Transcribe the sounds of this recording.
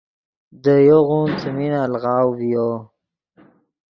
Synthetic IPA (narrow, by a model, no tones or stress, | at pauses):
d̪əjoɣunt͡səminalɣɑːwvijo